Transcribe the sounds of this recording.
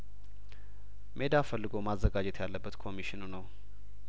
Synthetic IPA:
mʔe̞d̪afəlːɨɡomazːəɡad͡ʒɛt̪ʰjalːəbːət̪kʰo̞miʃinunəw

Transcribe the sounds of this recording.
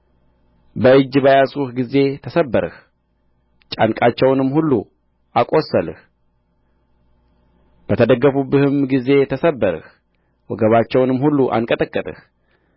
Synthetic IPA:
bəɨd͡ʒːbajasuhɡize̞t̪ʰəsəbːəɾɨ̰h | t͡ʃʼa̰nkʼat͡ʃːɛwnɨmːhulːu | ʔakʼo̞səlɨ̰h | b̥ət̪ʰəd̪əɡːəfubːɨhɨmɡize̞t̪ʰəsəbːəɾɨ̰h | wɔɡəβat͡ʃːɛwnɨmhulːuʔa̰ŋkʼət̪ʼəkʼːət̪ʼɨ̰h

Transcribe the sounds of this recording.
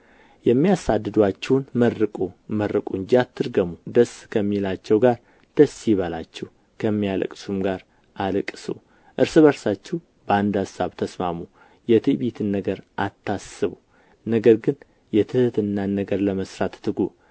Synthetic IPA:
jɛmːijasad̪ːɨd̪wat͡ʃːɛwnmərːɨkʼuməɾːɨkʼuɨnd͡ʒiat̪ʰːɨɾɡəmud̪əskʰəmːilat͡ʃːɛwɡaɾ | d̪̥əsjiβəlat͡ʃːɛh | kʰəmːijalə̰kʼsumɡaɾ | ʔalɨkʼːɨsṵ | ʔɨɾsɨβəɾsat͡ʃːɛw | bəand̪asaβt̪ʰəsma̰mu | jɛt̪ʰiβit̪ʰɨnːəɡəɾʔat̪ʰːasɨβu | nəɡəɾɡɨn | jɛt̪ʰɨhɨt̪ʰɨnːanːəɡəɾləməsɾat̪ːɨɡu

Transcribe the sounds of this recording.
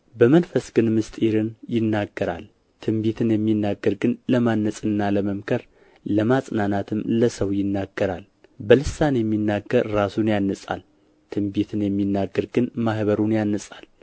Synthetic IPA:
bəmənfəsɡ̥ɨnmɨst̪ʼeɾɨnjɪnːaɡːəɾa̰l | t̪ʰɨmbet̪ʰɨnjɛmːinːaɡːəɾɡɨnləmanːəsʼɨnːaləməmkʰəɾ | ləmasʼnanat̪ʰɨmləsəwjɪnːaɡːəɾal | bəlɨsanjɛmːinːaɡːəɾːasunjanːəsʼa̰l | t̪ʰɨmbet̪ʰɨnjɛmːinːaɡːəɾɡɨnmahβəɾunjanːəsʼal

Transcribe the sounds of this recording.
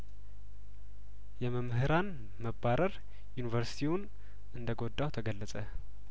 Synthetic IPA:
jɛməmhɨɾan | məbːaɾəɾ | junivəɾsi̥t̪ʰiwʊn | ɨnd̪əɡo̞d̪ːawt̪ʰəɡəlːəsʼə

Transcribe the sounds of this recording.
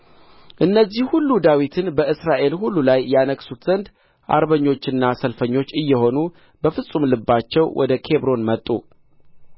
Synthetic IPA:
ʔɨnːəzːihhulːud̪awit̪ʰɨnbəʔɨsɾaʔe̞lhulːulajjanəkʼsut̪z̥ənd̪ | ʔa̰ɾβəɲːo̞t͡ʃːɨnːasəlfəɲːo̞t͡ʃːɨjːɛho̞nu | bəfɨsʼːumlɨbːat͡ʃːɛwwʔɔ̰d̪əkʰe̞βɾo̞nmət̪ʼːṵ

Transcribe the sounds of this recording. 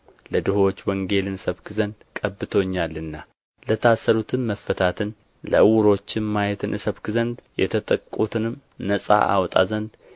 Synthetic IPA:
ləd̪ɨhot͡ʃːwəŋɡe̞lɨnɨsəβkʰɨzənd̪kʼəbːɨt̪ʰoɲːalːɨnːa | lət̪ʰasːəɾut̪ʰɨnməfːət̪ʰat̪ʰɨn | lə̰ʔɨwʊɾo̞t͡ʃːɪmmajɛt̪ʰɨnʔɨsəβkɨzənd̪jɛ̰t̪ʰət̪ʼəkʼːut̪ʰɨnɨm | nəsʼa̰ʔa̰wt̪ʼa̰zənd̪

